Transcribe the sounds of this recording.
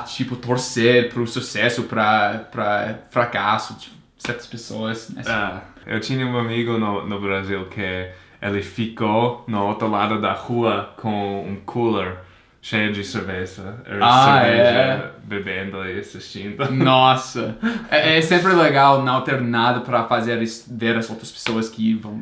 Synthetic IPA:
t͡ʃipʊt̪oɾseɾpɾʊsusɛsʊpɾɐpɾɐfɾakasʊ | sɛɾt̪ɐ̥spesoɐsnɛ̰s | ḛwt͡ʃĩɲɐũamiɡʊnʊnʊbɾazilkʰɪ | elɪfikonɐot̪ɾɐlad̪ʊd̪ɐhuɐkʰõṵ̃kʰuleɾ | ʃejɐd͡ʒɪseɾvezɐḛlaeveɛɐbebẽnd̪ʊiasist͡ʃĩnd̪ʊnɔsɐɛɛsẽmpɾɪleɡawnɐ̃w̃t̪eɾnad̪ɐpɾɐfazeɾisveɾɐzowt̪ɾɐspe̥soɐskɪvɐ̃w̃

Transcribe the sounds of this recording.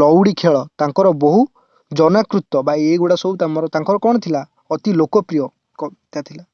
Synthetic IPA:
ɔwɽikʰeɭɔt̪aŋkɔɾɔbɔɦu | d͡ʒɔnakɾut̪ɔbaeɡoɽasɔbut̪amɔɾɔt̪ãŋkɔɾɔkɔɽ̃ɔt̪ʰila | ɔt̪ilokɔpɾijɔ | kɔt̪at̪ʰila

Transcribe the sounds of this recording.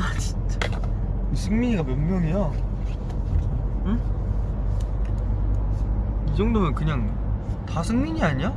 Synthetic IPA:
at͡ɕi̥ | isʰɯŋmiɲiɡamjʌnmjʌŋija | ɯ | id͡ʑʌŋdomɯnkɯɲaŋ | tasʰɯŋmiɲiaɲa

